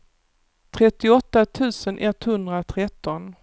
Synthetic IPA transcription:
t̪ʰɾɛt̪ːɪɔt̪ːat̪ʰʉ̟ːsənʔɛt̪hɵnd̪ɾat̪ʰɾɛt̪ːɔn

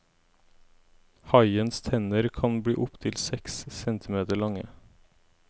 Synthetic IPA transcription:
hɑɪənst̪ʰɛnəɾkʰɑnbɽiːʔʊpt̪ʰɪlsɛkssɛnt̪ʰɪmeːt̪əɭɑŋə

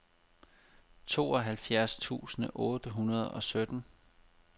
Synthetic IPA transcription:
t͡sʰo̝̰ːɒ̽ɦælfjæɐst͡sʰṵːsnəʔɔ̽ːd̥əɦunɐð̞ˠɒ̽sød̥n̩

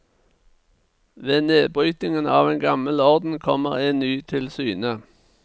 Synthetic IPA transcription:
ʋeːneːbʁyːt̪ɪŋənɑːʋeːnɡɑməlɔʁd̪n̩kʰɔməʁeːnnyːt̪ʰɪlsyːnə

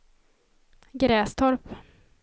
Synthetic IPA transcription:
ɡɾɛːst̪ʰɔɾp

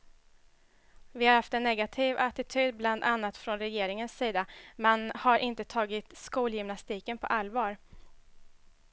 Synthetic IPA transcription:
vɪhaɾhaft̪ɛnːɛɡat̪ʰiːvat̪ɪt̪ʰyːd̪̚bland̪anːat̪fɾɔnɾɛjeːɾɪŋənsːiːd̪amɛnhaɾʔɪnt̪ət̪ʰɑːɡɪt̪skuːljʏmnast̪iːkənpʰɔ̰ʔalvɑːɾ

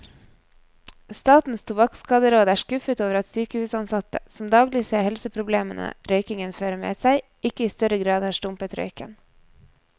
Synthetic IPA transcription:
st̪ɑːt̪n̩st̪ʰʊbɑkskɑːd̪əɾoːd̪æːʃkʉfət̪oːʋəɾɑt̪syːkəhʉːsɑnsɑt̪ə̰sɔm̩d̪ɑːɡlɪseːɾhɛlsəpʰɾʊbleːmənə̰ɾœʏkɪŋənføːɾəmḛːsæɪ | ɪkəiːst̪œɾəɡɾɑːd̪hɑːʂʈʊmpət̪ɾœ̰ʏkə̰n

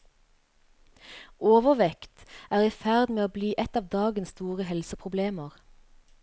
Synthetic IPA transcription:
oːʋəʁʋɛkt̪ʔæːʁiːfæʁd̪meːoːbliːʔɛt̪ɑːʋd̪ɑːɡənsst̪uːʁəhɛlsəpʰʁʊbleːməʁ

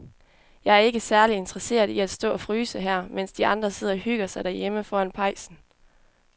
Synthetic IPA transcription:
jɑ̈ɪæɐe̝ɡ̥əsæɐlie̝nd̥ʁɐse̝̰ːɐðˠiæd̥sd̥ɔ̰ːɒ̽fʁyːsəɦæɐ̰men̰sd̥iɑ̈nd̥ʁɐse̝ð̞̰ˠɒhyɡ̥ɐsɑ̈ɪd̥æɐjeməfɒːænpʰɑ̈ɪsn̩

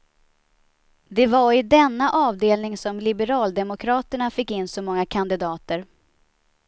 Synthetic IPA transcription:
d̪ɛvaɾɪd̪ɛnːaʔɑːvd̪eːlnɪŋsɔmlɪbəɾɑːld̪ɛmʊkʰɾɑːt̪əɳafɪkːɪnːsɔmɔŋːakʰand̪ɪd̪ɑːt̪əɾ

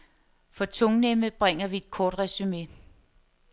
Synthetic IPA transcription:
fɒ̽t͡sʰoŋneməb̥ʁɛŋ̰ɐʋie̝d̥̚kʰɒːd̥ʁɛsyme̝

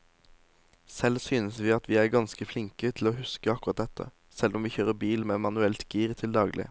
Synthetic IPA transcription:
sɛlsyːnəsʋiːɑt̪ʰʋiːæɾɡɑnskəflɪŋkət̪ʰɪl̩oːhʉskəɑkʊʁɑt̪̚d̪ɛt̪ʰːə̰ | sɛlʔɔmʋiːçøːʁəbiːlmeːmɑnʉɛlt̪ɡ̥iːʁt̪ʰɪld̪ɑːɡlʔɪ̰

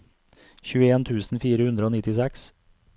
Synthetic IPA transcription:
çʉːəeːnt̪ʰʉːsn̩fiːɾəhʉnd̪ɾəoːnɪt̪ɪsæks

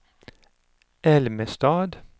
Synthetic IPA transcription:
ʔɛlməst̪ɑːd̪

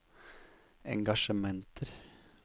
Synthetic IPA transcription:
ɛ̰ŋɡɑʃəmɛnt̪ʰəɾ

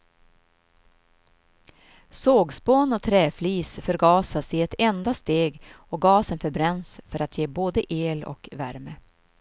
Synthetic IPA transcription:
soːɡspoːnɔt̪ʰɾɛːfliːsfœɾɡɑːsasɪɛt̪ɛnd̪ast̪eːɡ | ɔɡɑːsənfœɾbɾɛnsfœɾat̪jeːboːd̪əʔeːlɔ̰kvæɾmə

